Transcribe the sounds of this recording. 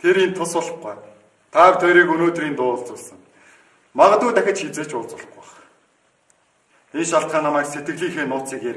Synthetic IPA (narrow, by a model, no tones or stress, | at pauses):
t̪ʰeɾent̪ʰːʊsʊɮχɢæː | t̪ʰaːrt̪ʰɔjɾiːkɵnoːt̪riːnt̪ʊːʊɮt͡suːɮsə̆ŋ | maʁə̆t̪uːt̪æxʲɪ̆t͡ɕxet͡seːt͡ɕʊːɮt͡sʊ̆ɮ̆χʊχ | enʃaɬt̪̚ɢaːnamæːkset̪ɡɘ̆ɮiːŋxeːnʊːt͡siːkxeːɾ